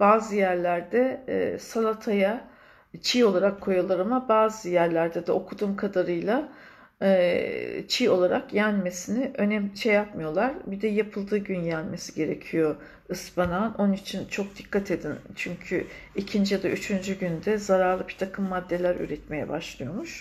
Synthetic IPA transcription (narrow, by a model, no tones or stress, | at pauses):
b̥aːzɯjæɾlʲæɾd̪ɛ̰salˠat̪ʰaja | t͡ʃʰijo̞lˠaɾakʰːo̞jalˠaɾɯmabaːzɯjæɾlʲæɾd̪ɛd̪ɛo̞kʰud̪uːmkʰad̪aɾɯjlˠa | t͡ʃʰijo̞lˠaɾakjænme̞sinɪʔø̞nɛmt͡ʃʰɛjapmɯjo̞lˠaɾbid̪ɛjapʰɯlˠd̪ɯːɟynjænme̞siɟe̞ɾe̞cʰijo̞ | ɯsbanano̞nunit͡ʃʰint͡ʃʰo̞k̚d̪ikʰːat̪ʰe̞d̪int͡ʃʰyɲcʰyicʰind͡ʒijad̪aʔyt͡ʃʰynd͡ʒyɟynd̪ɛzaɾaɾlˠɯbit̪ʰakʰɯmːad̪ːe̞lʲæɾy̰ɾɛt̪me̞jɛ̰baʃlˠɯjo̞muʃ